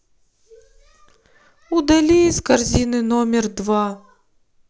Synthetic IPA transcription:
ud̪ɐlʲiiskɐrzʲinɨnomʲɪrd̪va

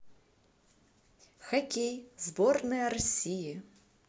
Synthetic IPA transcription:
xɐkʲejzbɔrnɐjɐɾɔsʲiji

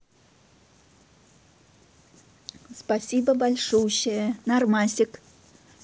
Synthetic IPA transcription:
spasʲibɐbalʲʂuwɕɪjɛnarmasʲik

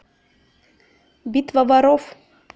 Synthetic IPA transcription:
bʲit̪vavaɾof

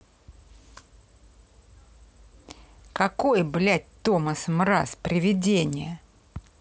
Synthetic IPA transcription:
kɐko̞jblʲæt̚ʲt̪oməsmɾa̰spɾʲɪvʲɪdʲenʲɪjə

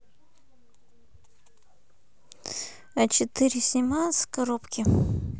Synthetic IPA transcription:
ɐt͡ɕɪt̪ɨɾʲsʲɪmaskɐɾopkʲɪ

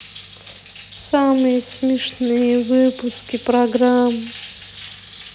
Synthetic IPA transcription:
samɨjəsmʲɪʂnɨjəvɨpʊskʲipɾɐɡɾam

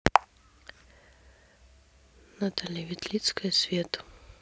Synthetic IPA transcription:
nɐt̪ɐlʲɛvʲit̪lʲit̪skɐjɐsʲvʲet̪u̥

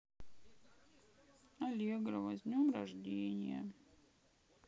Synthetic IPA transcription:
ɐlʲeɡɾəvɐzʲnʲomraʐdʲenʲɪ̰jə̰

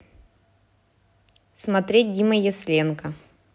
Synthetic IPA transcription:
smɐt̪ɾʲet̚ʲdʲiməjɛsʲlʲenkɐ

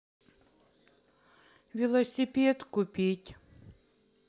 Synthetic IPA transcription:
vʲɪlˠɐsʲɪpʲet̪kʊpʲitʲ

